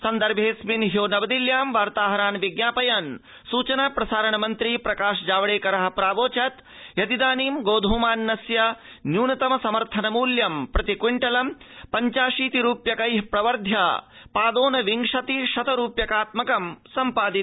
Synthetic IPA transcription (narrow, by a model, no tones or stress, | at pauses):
sɐnd̪ɐɾbʱeːsminɦjoːnɐbɐd̪iljaːmʋaːɾt̪aːɦɐɾaːnʋiɡnaːpɐjɐn | suːt͡ʃɐnaːpɾɐsaːɾɐɳɐmɐnt̪ɾiːpɾɐkaːʂd͡ʒaːʋɐɽeːkɐɾɐɦɐ̆pɾaːʋoːt͡ʃɐt̪ | jɐt̪id̪aːniːmɡoːd̪ʱuːmaːnːɐsjɐ | njuːnɐt̪ɐmɐsɐmɐɾt̪ʰɐnɐmuːljɐmpɾɐt̪ikwiɳʈɐlɐm | pɐɲt͡ʃaːʂiːt̪iɾuːpjɐkɐjɦpɾɐʋɐɾd̪ʱjɐpaːd̪oːnɐʋiŋʂɐt̪iʃɐt̪ɐɾuːpjɐkaːt̪mɐkɐmsɐmpaːd̪i